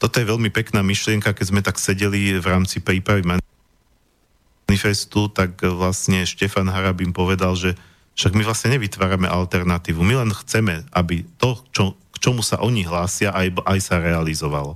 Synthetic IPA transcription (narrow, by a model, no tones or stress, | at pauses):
t̪ɔt̪ɔjɛʋɛʎmipɛknaːmiʃlɪɛŋkakɛzmɛt̪aksɛɟɛliʋɾaːmt͡sipɾiːpɾaʋiman | nifɛst̪ut̪akʋlasɲɛʃcɛfanɦaɾabimpɔʋɛd̪alʒɛ | fʃaɡmiʋlasɲɛɲɛʋit̪ʋaːɾamɛ̰ʔalt̪ɛɾnat̪iːʋumilɛnxt͡sɛmɛʔabit̪ɔt͡ʃɔkt͡ʃɔmusa̰ʔɔɲiɦlaːsɪaʔajbʔajsaɾɛalizɔʋa̰lɔ